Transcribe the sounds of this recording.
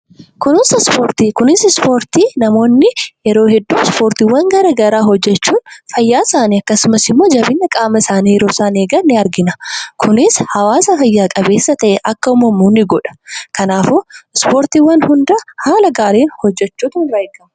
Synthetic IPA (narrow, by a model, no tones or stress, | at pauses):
kʊnɪsspoːɾt̪iːkʊnɪsɪspo̞ːɾt̪iːnɐmo̞ːnːɪjɛɾo̞ːhɛd̪ːuːspo̞ːɾt̪iːwːɐŋɡɐɾɐɡɐɾaːɦɔd͡ʒːɛt͡ʃːuːnfɐjːaːsaːniɐkːɐsʊmɐsɪmːo̞ːd͡ʒɐbɪnːɐkʼaːmɐsaːnijɛɾo̞ːsaːneːɡɐnːɪɐɾɡɪnɐkʰʊnɪshɐwaːsɐfɐjːaːkʼɐbe̞ːsːɐt̪ɐʔɛʔɐkːɐʊmɐmːuːnːɪɡɔᶑɐ̥kɐnaːfoɪspo̞ːɾt̪iːwːɐnhʊnd̪ɐhaːlɐɡaːɾeːnhɔd͡ʒːɛt͡ʃːuːt̪ʊnɾɐːjkːɐm